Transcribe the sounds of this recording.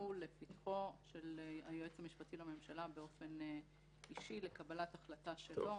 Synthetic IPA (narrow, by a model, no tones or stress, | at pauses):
ulefitχo̞ʃe̞lajoet͡samiʃpatilame̞mʃalabe̞o̞fe̞n | iʃile̞kabalataχlataʃe̞lo̞